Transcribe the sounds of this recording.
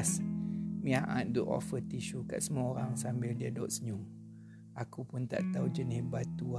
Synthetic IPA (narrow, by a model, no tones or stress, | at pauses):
smĩaʔã̰t̪̚duʔɔ̰fət̪iʃuka̰ʔsəmuaoɾaŋsambɪldiadɔʔsəɲuŋ | akupʊnt̪a̰ʔt̪aud͡ʒənisbat̪ua